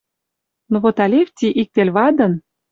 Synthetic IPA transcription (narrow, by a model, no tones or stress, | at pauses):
noβot̪ɑlʲefʲt̪ʲiʔik̚t̪elʲβɑd̪ɤ̆n